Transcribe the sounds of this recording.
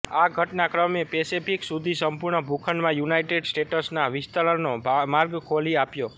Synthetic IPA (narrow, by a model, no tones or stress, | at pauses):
aɡʱəʈnakɾəmepesipʰiksud̪ʱisəmpʊɾɳəbʱukʰənmãjunajʈeɖsʈeʈəsnaʋɪst̪əɾənomaɾɡkʰoliapjo